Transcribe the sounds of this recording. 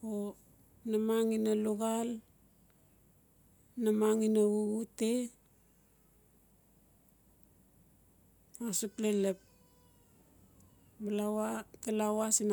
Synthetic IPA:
o | namaŋinaluɡal | namaŋinaβuɡute | asuklelep̚ | balawatalawasina

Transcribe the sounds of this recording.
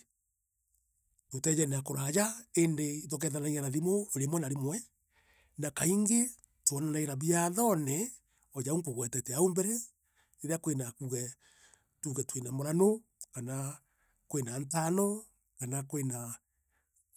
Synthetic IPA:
otɛd͡ʒɛneakoɾajaendeitok̬ɛðanaiɲanaðimoeɾemwɛnaɾemwɛ | nakaiŋɡe | twɔnanaeɾaβiaðɔnɛ | ɔjaoŋkoɣwɛtɛtɛaombɛɾɛ | eɾeakwenakuɣɛ | tuɣɛtwenamoɾanokana | kwenantanɔ | kanakwena

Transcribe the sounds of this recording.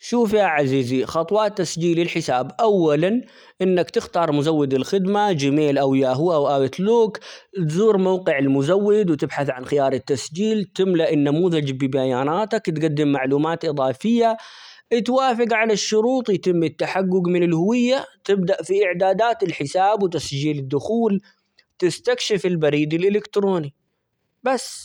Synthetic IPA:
ʃuːfjaʕaziːzixɑt̪ˤwɑːt̪ːasd͡ʒiːlɪlħɪsaːbʔawːalan | ʔɪnːakt̪ɪxt̪ɑːɾˤmʊzawːɪd̪ɪlxɪd̪mad͡ʒɪmeːlʔawjaːɦʊːʔawʔaːbɪt̪luːkt̪zuːɾmawqɪʕɪlmʊzawːɪd̪wt̪ɪbħaθʕanxɪjɑːɾˤɪt̪ːasd͡ʒiːlt̪ɪmlaʔɪnːamuːðad͡ʒbɪbajaːnaːt̪akt̪ɡad̪ːɪmːaʕluːmaːt̪ʔɨðˤɑːfɪjːat̪waːfɪɡʕalaʃːʊɾuːt̪ˤjɪt̪ɪmːɪt̪ːaħaɡːʊɡmɪnɪlhʊwɪjːat̪ɪbd̪aʔfiʔɪʕd̪aːd̪aːt̪ɪlħɪsaːbwɪt̪asd͡ʒiːlɪd̪ːʊxuːl | t̪ɪst̪akʃɪfɪlbaɾiːd̪ɪlʔɪlɪkt̪ɾoːni | basː

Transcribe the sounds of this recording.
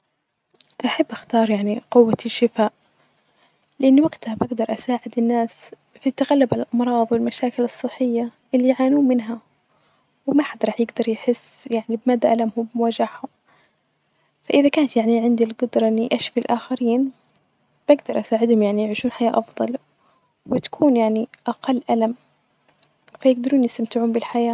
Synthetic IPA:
ʔaħabːʔaxt̪ɑːɾˤjaʕniqʊwːaʃːɪfaːʔ | lɪʔanːwaɡt̪habaɡd̪ɑɾˤʔasaːʕɪd̪ɪnːaːs | fit̪ːaɣalːʊbʕalalʔɑmɾˤɑːðˤwɪlmaʃaːkɪlɨsˤːɨħːɪjːaʔɪlːiʕaːnuːnmɪnɦa | wɪmaħad̪ɾˤɑːħjɪɡd̪ɑɾˤjħɪsːjaʕnibmaːd̪ːaʔalamhʊmbɪmʊwaʒaʕhʊm | faʔɪðakaːnat̪jaʕniʕɪnd̪ilɡʊd̪ɾˤɑʔɪnːiʔaʃfilʔaːxaɾiːn | b̥aɡd̪ɑɾˤʔasaːʕɪd̪hʊmjaʕnijɪʕiːʃuːnħajaːʔɑfðˤɑl | wɪt̪ḁkʰuːnjaʕniʔaqɑlːʔalam | fajɪɡd̪ɑɾˤuːnjɪst̪amt̪ɪʕuːmbɪlħajaː

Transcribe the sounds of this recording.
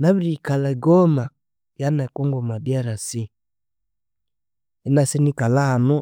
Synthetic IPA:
naβiɾikalaiɡɔma | janakɔŋɡɔmadiaɾasi | inasinikalaːnu

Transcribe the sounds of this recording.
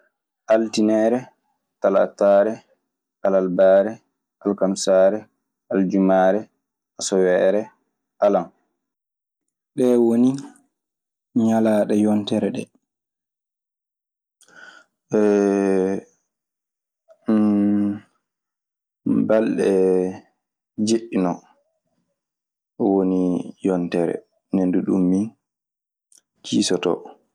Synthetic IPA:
ʔaltinɛːɾɛ | tala̰tːaːɾɛ | ʔalalbaːɾɛ | ʔalkamsaːɾɛ | ald͡ʒumaːɾɛ | asɔwɛɾɛ | alam | ɗɛwoni | ɲalaːɗɛjɔntɛɾɛɗɛ̰ | ɛ | balɗɛ | d͡ʒeɗːinɔ | wonijɔntɛɾɛ̰ | nenduɗumːi | kisɔtɔ̰

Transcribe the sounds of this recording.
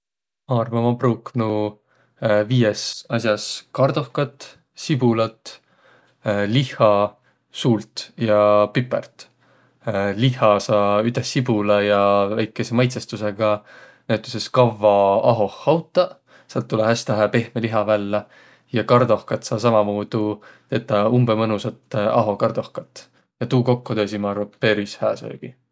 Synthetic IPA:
ɑːrmumɑpruːknu | viːjesɑsjɑskɑrd̪o̞hkɑt̪ːˑ | sib̥ulɑt̪ | lihɑ | suːlt̪jɑpypːˑḛrt̪ | lihˑɑsɑːyt̪esːibulɑjɑvæjkːˑe̞se̞mɑjt̪sest̪use̞ɡ̥ɑ | næʉt̪ːˑeseskɑvːɑɑɦo̞hːɑwt̪ːˑɑ | sɑlt̪ːulehæst̪ɑɦæpe̞hmeliɦɑvælːɑ | jɑkɑrd̪o̞hkɑt̪sɑːs̬ɑmɑmuːd̪̥ut̪eːt̪ːˑɑumbemɤnusɑt̪ːɑ̰ɦo̞kɑrd̪̥o̞hkɑt̪ˑː | jɑt̪uːko̞kːot̪øːsimɑːɾɑpe̞ɾishæːso̰ɡ̥i

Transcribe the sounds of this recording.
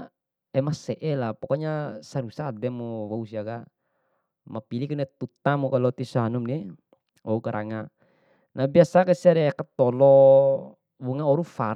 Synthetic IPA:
ɛmasɛʔɛlapɔkɔɲasaɾusad̪ɛmɔwausiaka | mapilikunɛt̪ut̪amɔkalɔt̪isanumni | ɔukaɾʔa̰ŋa | nabiasakasiaɾɛkat̪ɔlɔ | wuŋaɔɾufa

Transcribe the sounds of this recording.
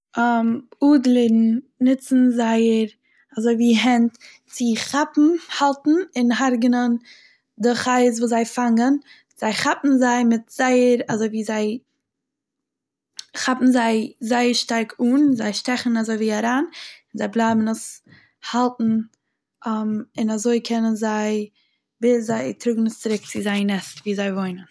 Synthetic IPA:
amuːdlˠɪɾn̩ | nɪt͡sn̩zaɪəɾ | azoɪviːɦɛnt | t͡sɪχapm̩halˠtn̩ɪnɦaɾɡənən | dɪχaɪz̬vuːzaɪfaŋən | z̥aɪχapn̩zaɪmɪtz̥aɪəɾazoɪviːzaɪ | χapn̩zaɪzaɪəɾʃtaɾkʰuːnzaɪʃtɛχn̩azoɪviːaɾaːnɪnzaɪblˠaɪbn̩əs | halˠtn̩ | amɪnazoɪkʰɛnənzaɪ | bɪszaɪtɾʊɡŋ̩əst͡sɪɾɪk̚t͡sɪzaɪnɛstviːzaɪvoɪnən

